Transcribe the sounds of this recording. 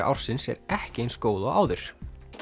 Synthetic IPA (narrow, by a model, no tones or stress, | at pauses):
ʔa̰wɾ̥sɪnsɛ̰ɾɛhcɪejnskoːwðɔaːwðʏɾ̥